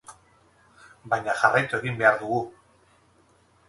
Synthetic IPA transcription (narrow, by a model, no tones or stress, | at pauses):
bajɲaʝarajt̪ue̞ɣimbe̞aɾðuɣu